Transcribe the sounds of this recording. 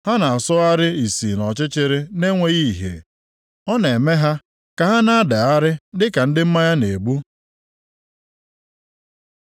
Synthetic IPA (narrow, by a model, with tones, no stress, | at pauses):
ha˦na˨a˨sʊ˦a˦ɾɪ˦i˨si˨nɔ˨t͡ʃɪ˦t͡ʃɪ˦ɾɪ˦ne˦ŋʷe˦ɣi˦˨ɦḛ˨ | ɔ˦ne˨e˨me˦ɦa˦ | ka˨ɦa˦na˨a˦da˨a˦ɾɪ˦dɪ˦ka˨n̩˦dɪ˦m̩˦ma˦ja˦ne˨ɡ͡bu˦